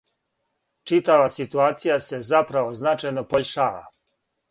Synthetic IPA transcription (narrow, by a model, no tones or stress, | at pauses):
t͡ʃit̪aʋasit̪uaːt̪sijase̞zapɾaʋo̞znat͡ʃajno̞poʎʲʃaːʋa̰